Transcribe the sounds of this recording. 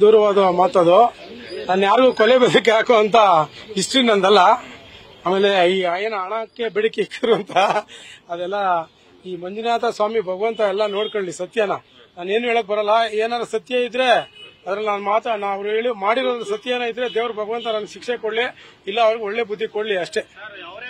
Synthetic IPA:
d̪uːɾɐʋaːd̪ɐmaːt̪ɐd̪onaːnːjaːɾɡuːkɔlebɛd̪ɐk̬ːeaːkoɐnt̪ɐisʈɾiːnːɐnd̪ɐlːɐ | aːmeːle̞iːjeːnɐɳakːe̞bɛɽikeikʰːɐɾuɐnt̪ʰɐː | d̪ɛlːɐ | iːmɐɲd͡ʒinaːt̪ɐsʋaːmibʱɐɡɐʋɐnt̪ɐɛlːɐno̞ːɽkoɳlisɐt̪jɐnɐ | naːneːnueːɭok̚ːbɐɾɐlːɐeːnaːd̪ɾɐsɐt̪jɐid̪ːɾe̞ɐd̪ɾɐlnaːnmaːt̪naɐʋɾuɦe̞ːɭimaːɽiɾoːnt̪ɐsɐt̪jɐnɐid̪ɾe̞d̪eːʋɾɐbʱɐɡɐʋɐnt̪ɐnanɐɡʃikʂekoɽli | ilːɐːʋɐɾɡeɔɭːe̞ːbud̪ʱːikoɽliɐʂʈe̞

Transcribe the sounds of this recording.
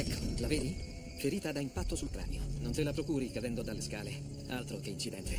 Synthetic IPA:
ɛkʰːo̥laved̪i | feɾiːt̪ad̪aimpat̪ːosult̪ɾa̰ːnjononselapɾokuːɾikad̪ɛnd̪od̪alːeskaːle | alt̪ɾok̟eint͡ʃid̪ɛnt̪ʰe

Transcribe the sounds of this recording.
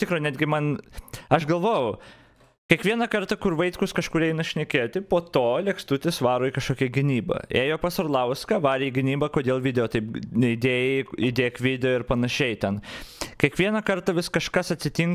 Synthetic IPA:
t̪ʲɪkɾonʲæːd̪ʲɡʲɪmɐnɐʃɡɐlˠʋoːjʊ | kʲiɛkʋʲiɛnɐkɐrt̪ɐkʊrʋɐɪt̪kʊskɐʃkʊɾʲɛɪnɐʃʲnʲɛkʲeːt̪ʲɪpoːt̪oːlʲɛkst̪ʊt̪ʲɪsʋɑːɾoːikɐʃkoːkʲɛɡʲɪnʲiːbɐ̰eːjoːpɑsɐrlˠɐʊskɐʋɑːɾʲeiɡʲɪnʲiːbɐkoːd̪ʲeːlˠʋʲɪd̪ʲɛjoːt̪ɐɪpɪd̪ʲeːjɛɪid̪ʲeːkʋʲɪd̪ʲɛjoːɪɾpɐnɐʃʲɛɪt̪ʲɛnkʲɛkʋʲiɛnɐkɐrt̪ɐʋʲɪskɐʃkɐsɐt̪ʲsʲɪt̪ʲiŋk

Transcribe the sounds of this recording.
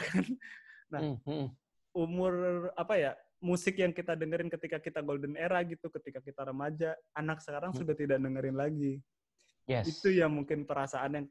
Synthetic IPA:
kannah | umʊrapaja | musɪkjaŋkit̪adəŋəɾɪnkət̪ikakit̪aɡoldəneɾahɡit̪ukət̪ikakit̪aɾəmad͡ʒaːnaksəkaɾaŋsudaht̪idaʔ̚dəŋəɾɪnlaɡi | jɛsit̪ujaŋmuŋkɪnpəɾasaanjaŋ

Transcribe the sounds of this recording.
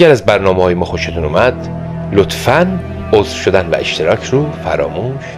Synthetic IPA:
æɾæzbæɾnɒːmehɒːjemɒːxo̞ʃet̪ʰuːnuːmæd̪ | lot̪ʰfæn | oːzfʃo̞d̪ænvæ̰ʔe̞ʃt̪ʰe̞ɾɒːcʰɾuːfæ̰ɾɒːmuːʃ

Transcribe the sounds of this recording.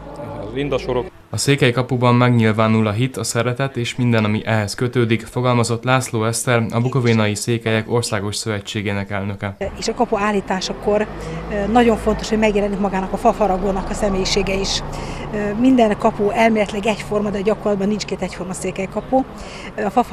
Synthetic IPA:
ɛzind̪ɒʃoɾok | ɒseːkɛjkɒpubɒmːɛɡɲilvaːnulɒɦit̪ɒsɛɾɛt̪ɛt̪eːʃmind̪ɛnɒmiʔɛɦɛskøt̪øːd̪ikfo̞ɡɒlmɒzo̞t̪ːlaːsloːɛst̪ɛɾɒbukoveːnɒjiseːkɛjɛko̞rsaːɡo̞ʃsø̞vɛt͡ʃːeːɡeːnɛkɛlnø̞kɛeːʃɒkɒpuaːlːiːt̪aːʃɒko̞r | nɒɟo̞ɱfo̞nt̪o̞ʃho̞ɟmɛɡjɛlɛnːikmɒɡaːnɒkɒfɒfɒɾɒɡoːnɒkɒsɛmeːjiʃeːɡɛiʃ | mind̪ɛnkɒpuɛlmeːlɛt̪lɛɡɛcfo̞rmɒd̪ɛɟɒkorlɒd̪̚bɒnːint͡ʃkeːt̪ɛcfo̞rmɒseːkɛjkɒpu | ɒfɒf

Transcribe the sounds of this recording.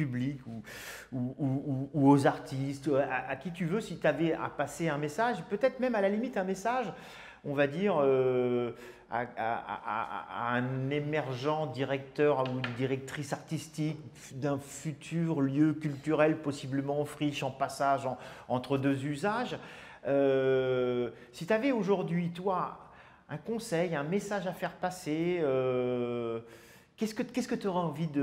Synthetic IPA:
pyblikuuuuːozaʁt̪ist̪a̰ʔakʲit̪yvøsit̪avɛa̰paseɛ̃mesaʒpøt̪ɛt̪χmɛmalalimit̪ɛ̃mesaʒ | ɔ̃vad̪iʁø | a̰a̰a̰a̰ɛ̃nemɛʁʒɑ̃d̪iʁɛk̚t̪œʁud̪iʁɛk̚t̪χisaʁt̪ist̪ik | d̪ɛ̃fyt̪ʰyʁljøkʲylt̪yʁɛlpɔsibləmɑ̃fχiʃɑ̃pasaʒɑ̃ɑ̃t̪χəd̪øzyzaʒ | ø | sit̪yavɛoʒuʁd̪ɥit̪wa | ɛ̃kɔ̃sɛjɛ̃mesaʒafɛʁpaseø | kʲɛskəkʲɛskət̪yɔʁɛɑ̃vid̪ə

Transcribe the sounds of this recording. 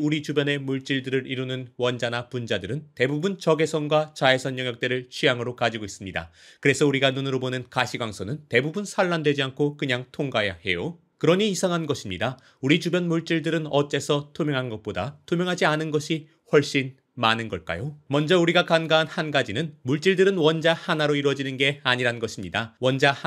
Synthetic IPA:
uɾit͡ɕubjʌne̞muɭt͡ɕ͈iɭdɯɾɯɾʔiɾunɯnwʌnd͡ʑanapund͡ʑadɯɾɯnte̞bubunt͡ɕʌɡe̞sʰʌnɡwat͡ɕae̞sʰʌnjʌŋjʌk̚t͈eɾɯɭt͡ɕʰijaŋɯɾokad͡ʑiɡois͈ɯmɲida̰ | kɯɾe̞sʰʌuɾiɡanunɯɾobonɯnkaɕʰiɡwaŋsʰonɯnte̞bubunsʰaɭːandwe̞d͡ʑiankʰokɯɲaŋtʰoŋɡajahe̞jo | kɯɾʌɲiːsʰaŋɦanɡʌɕʰimɲida | uɾit͡ɕubjʌnmuɭt͡ɕ͈iɭdɯɾɯnʌt͡ɕ͈e̞sʰʌtʰomjʌŋɦanɡʌt̚p͈oda̰tʰomjʌŋɦad͡ʑianɯnɡʌɕʰi | ɸwʌɭɕ͈in | manɯnɡʌɭk͈a̰jomʌnd͡ʑʌuɾiɡakanɡaɦanhanɡad͡ʑinɯnmuɭt͡ɕ͈iɭdɯɾɯnwʌnd͡ʑahanaɾoiɾwʌd͡ʑinɯnɡe̞aɲiɾanɡʌɕʰimɲidawʌnd͡ʑa

